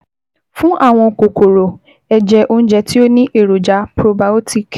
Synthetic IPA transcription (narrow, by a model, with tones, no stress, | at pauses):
fũ˦ʔa˦˨w̃ɔ̃˧˨ko˨ko˨ɾo˨ | ɛ˧d͡ʒɛ˧ʔo˧ñ̩˦d͡ʒɛ˧ti˦o˦nĩ˦ʔe˦˨ɾo˨d͡ʒa˨˦pɾo˧ba˦o˦ti˨k